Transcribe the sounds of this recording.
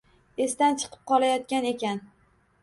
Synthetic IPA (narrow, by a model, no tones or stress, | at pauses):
e̞st̪ant͡ʃʰɨ̥qʰɨ̥p̚qʰɒlˠajɒt̪̚kʲane̞kʲan